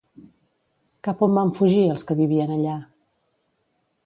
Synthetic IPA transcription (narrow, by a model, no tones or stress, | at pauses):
kapombaɱfuʒiəlˠskəβiβiənəʎa